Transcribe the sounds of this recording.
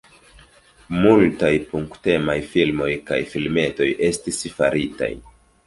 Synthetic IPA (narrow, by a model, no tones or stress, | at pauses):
multajpuŋkte̞majfilmo̞jka̰jfilme̞to̞jʔe̞stisfa̰ɾita̰j